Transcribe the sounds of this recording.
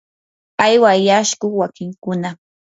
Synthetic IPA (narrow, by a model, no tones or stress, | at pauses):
ajwajaʃkoχwakɪŋkʊna